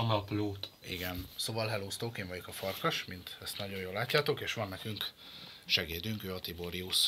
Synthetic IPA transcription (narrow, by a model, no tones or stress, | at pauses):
ɒnɒploːt̪ḭɡɛnsoːvɒlɦɛloːst̪oːkeːɱvɒɟo̞kɒfɒrkɒʃmint̪ɛst̪nɒɟo̞joːlːaːcːaːt̪o̞keːʃʋɒnːɛkyŋk | ʃɛɡeːd̪yŋkøːɒt̪iboɾiuʃ